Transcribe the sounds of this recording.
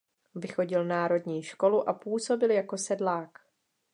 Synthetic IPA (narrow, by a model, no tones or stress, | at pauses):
vɪxo̞ɟɪlnaːɾo̞dɲiːʃko̞luʔapuːso̞bɪljako̞sɛdlaːk